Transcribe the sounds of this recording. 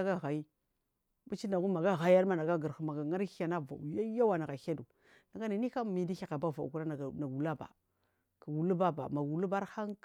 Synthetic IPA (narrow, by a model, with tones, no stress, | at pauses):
a˦ɡa˦ɣa˨i˦ | bu˦t͡ʃi˦na˨ɡu˦ma˨ɡa˦ɣa˨˦a˦ɾma˦na˨ɡa˦ɡə˨ɾxma˨ɡa˨ŋa˦ɾja˨na˦va̰˨u˨ja˦ja˦wa˨na˨ɡa˨xa˦du˨ | na˨ɡa˦ni˨ni˦ka˦˨mi˨di˦i˦ka˨ba˦va˨ṵ˨ku˦ɾa˦na˨na˨ɡu˨la˦ba̰˨ | ka˨ɡu˨lu˦ba˦ba̰˨ma˨u˨lu˦ba˦ɾxa˦ŋ˦